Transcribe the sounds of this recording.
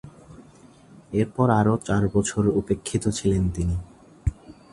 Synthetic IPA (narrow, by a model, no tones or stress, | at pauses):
eɾpɔɾaɾot͡ɕaɾbɔt͡ɕʰoɾupekʰːit̪ot͡ɕʰilent̪ini